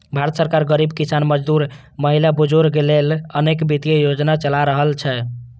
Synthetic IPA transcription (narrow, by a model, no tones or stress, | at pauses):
bʱaɾət̪səɾkaɾɡəɾibkisanməd͡ʒd̪uɾ | məɦilabud͡ʒoɾkelelənekbit̪ijejod͡ʒnat͡ʃəlaɾəɦəlt͡ʃʰɛ